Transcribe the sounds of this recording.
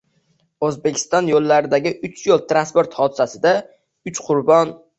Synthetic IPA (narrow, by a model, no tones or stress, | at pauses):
ɵzbe̞kʲʰɪ̥st̪ɒnjolːaɾɪd̪aɡʲɪʔʊt͡ʃʰjolˠt̪ɾanspoɾt̪hɒd̪ɪsasɪd̪a | ʊt͡ʃqʰʊɾbɒn